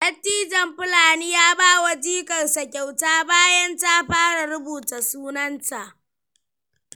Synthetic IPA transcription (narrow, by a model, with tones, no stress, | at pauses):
lɐ˦tːiː˦d͡ʒɐ˨mɸɪ˦laː˨niː˦jaː˦baː˦wa˨d͡ʒiː˦kɐ˨nsa˨kʲa˨wtaː˦baː˦jɐ˦nta˦ɸaː˦ɽa˨ɽʊ˦buː˨ta˨suː˦nɐ˦nta˨ʔ